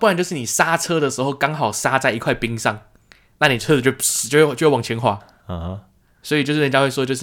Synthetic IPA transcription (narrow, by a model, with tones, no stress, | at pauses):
wa˨˦nt͡ɕo˥˧ʊʂɻ̩˥˩ni˨˩sa˥ʈ͡ʂʰɤ˥ɾə˨ʂɻ̩˧˥xo˥˧˩ʊkɑ˥ŋxɑ˨˩ʊʂa˥t͡sa˥˩ɪi˧kʰwa˥˩ɪpi˧˥ŋʂɑ˥˩ŋ | na˥˩ni˨˩˥t͡ɕt͡ɕjo˥˧we˥˩˥jwɑ˨˩ŋt͡ɕʰɛ˧˥nxwa˧˥˧ | swɔ˧˥i˨t͡ɕjʂ̩˥˩˧ja˥˧we˥˩wɔ˥˧t͡ɕo˥˧ʊʂ̩˥˩